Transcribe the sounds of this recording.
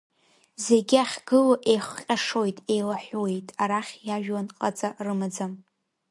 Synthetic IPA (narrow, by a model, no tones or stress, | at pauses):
ze̞ɡʲaχʲɡɨlaʔejχʷqʲʼaʂo̞jtʼe̞jlaħʷwe̞jtʼaɾaχʲjaʒᶣwanqʼat͡sʼarɨmad͡zam